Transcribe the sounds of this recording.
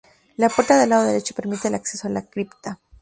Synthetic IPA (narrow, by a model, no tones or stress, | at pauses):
lapoɾt̪aðelað̞oðelet͡ʃope̞ɾmit̪e̞ːlakse̞soalakɾipt̪a